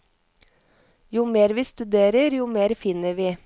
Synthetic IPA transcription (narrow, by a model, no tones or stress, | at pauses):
juːmeːɾʋiːst̪ʉd̪eːɾəɾjuːmeːɾfɪnəʋiː